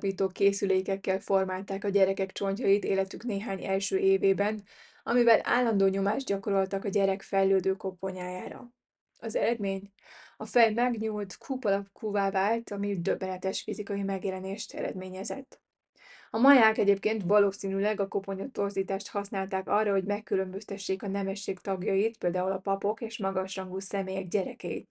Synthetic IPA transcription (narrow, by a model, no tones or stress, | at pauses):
piːt̪oːkeːsyleːkɛkːɛlfo̞rmaːlt̪aːkɒɟɛɾɛkɛkt͡ʃo̞ɲcɒjit̪eːlɛt̪ykneːɦaːɲɛlʃøːʔeːveːbɛn | ɒmivɛlʔa̰ːlːɒnd̪oːɲo̞maːʒd̪̚ɟɒko̞ɾo̞lt̪ɒkɒɟɛɾɛkfɛjløːd̪øːko̞po̞ɲaːjaːɾɒ̰ | ɒzɛɾɛd̪meːɲ | ɒfɛjmɛɡɲuːlt̪kʰuːpɒlɒpkʰuːvaːvaːlt̪ɒmid̪øbːɛnɛt̪ɛʃfizikɒjimɛɡjɛlɛneːʃt̪ʰɛ̰ɾɛ̰d̪meːɲɛzɛt̪ː | ɒmɒjaːkɛɟeːpkeːnt̪vɒloːsiːnylɛɡɒko̞po̞ɲot̪ːo̞rziːt̪aːʃt̪hɒsnaːlt̪aːkɒrːɒɦo̞ɟmɛkːylø̞mbøst̪ɛʃːeːkɒnɛmɛʃːeːkt̪ɒɡjɒjit̪peːld̪aːɦulɒpɒpo̞keːʃmɒɡɒʃrɒŋɡuːsɛmeːjɛɡɟɛɾɛkɛjḭt̪